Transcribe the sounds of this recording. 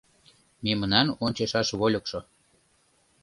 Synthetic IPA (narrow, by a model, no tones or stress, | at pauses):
memənɑnonʲt͡ɕeʃɑʃβolʲŏkʃo